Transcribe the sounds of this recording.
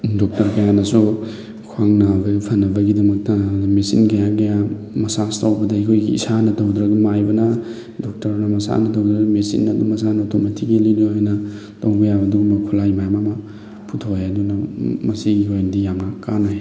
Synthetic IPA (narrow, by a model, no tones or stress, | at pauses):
dɔk̚tɐɾkɐjanɐsu | kʰwaŋnabɐpʰɐnːɐbɐɡidɐmɐk̚tɐmesḭnkʰɐjakɐja | mɐsastawbɐdɐekʰojɡiḭsanɐtowdɾɐɡumajbɐnɐ | dok̚tɐɾnɐmɐsa̰nɐtowdɾɐumesḭnːɐdumɐsanɐotʰometʰiɡiliɾiojnɐ | tɐwbɐjabɐduɡumɐkʰulajmajmamɐ | pʰutʰowjɐdunɐmɐsiɡiojndijaŋnɐkanaj